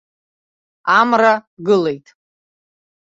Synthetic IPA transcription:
amraɡɨle̞jtʼ

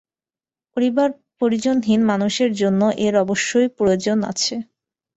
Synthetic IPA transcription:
poɾibaɾ | poɾid͡ʑonɦinmanuʃeɾd͡ʑonːoʔeɾɔboʃːojpɾood͡ʑona̰t͡ɕʰe

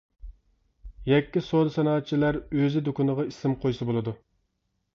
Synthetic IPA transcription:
jɛkʲːisod̪ɨsɑnɑːt̪̚t͡ʃʰilæɾøzɪd̪okunɨʁɑisɪmqʰojsɨbolˠɨd̪u

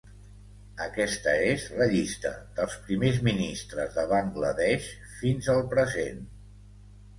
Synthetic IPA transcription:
əkɛst̪əezləʎist̪ə̰d̪̥əlˠspɾimezminist̪ɾəzðəβaŋɡləðɛʃ | finzəlˠpɾəzen

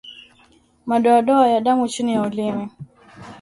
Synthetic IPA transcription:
maɗɔaɗɔajaɗamut͡ʃinijaulimi

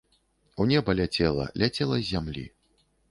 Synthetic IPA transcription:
unʲɛbɐlʲat͡sʲɛlˠɐ̰lʲat͡sʲɛlˠɐːamlʲḭ

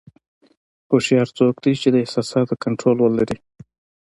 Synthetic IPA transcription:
xoʃjɑɾt͡sokd̪it͡ʃed̪əɪhsɑsɑt̪̚əkaɳʈɾolwəlaɾi

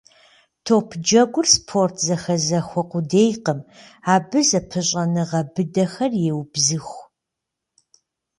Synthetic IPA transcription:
tʰoːpʰd͡ʒɐɡʷʊrspʰoːrtʰzɐxɐzɐxʷɔqʷʊdeːjqəmaːbɨzɐpʰɨɕʼɐnɨʁɐbɨdɐxɐrjewbzɨxʷ

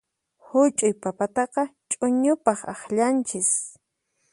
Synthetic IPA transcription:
hʊt͡ʃʼʊjpapat̪ɑqɑt͡ʃʼʊɲʊpɑχɑχʎant͡ʃɪs

